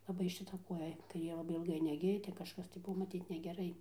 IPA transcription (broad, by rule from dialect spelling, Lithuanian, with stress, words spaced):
lˠɐˈbɐɪ ʃʲɪˈtɐ ˈkuɔjɛ kɐɪˈrʲeː lˠɐˈbɐɪ ɪlˠˈɡɐɪ nʲɛˈɡʲɪjɛ ˈtʲɛn kɐʃˈkɐs tɐɪ ˈbʊʋoː mɐˈtʲiːt nʲɛɡʲɛˈrɐɪ